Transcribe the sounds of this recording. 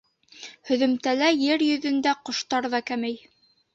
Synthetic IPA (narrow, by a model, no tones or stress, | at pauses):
hɵ̆ðɵ̆mt̪ælæjɘɾjɵ̆ðɵ̆nd̪æqŏʃt̪ɑɾðɑkæmæj